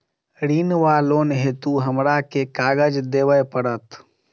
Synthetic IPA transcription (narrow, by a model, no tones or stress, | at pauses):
ɾinʋalonɦet̪uɦəmɾakekaːɡəd͡ʒd̪eʋəjpəɽət̪